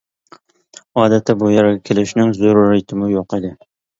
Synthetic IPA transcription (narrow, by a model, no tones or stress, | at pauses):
ɑːd̪at̪ʰːæbujɑɾɡʲɛkʲʰelɪʃnɪŋzoɾɾɪjt̪ʰɪmʊjoqed̪ɪ